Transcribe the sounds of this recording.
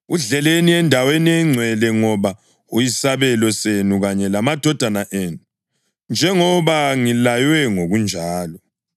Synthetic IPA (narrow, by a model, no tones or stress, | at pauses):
uɮɛleniɛndʱaweniɛŋ͡ǀʱwɛlɛŋɔβa | ujisaβɛlɔsenuɣaɲɛlamad̥ʱɔd̥ʱanaʔeːnu | nd͡ʒʱɛŋɔβaŋilajwɛŋoɣund͡ʒʱaːlɔ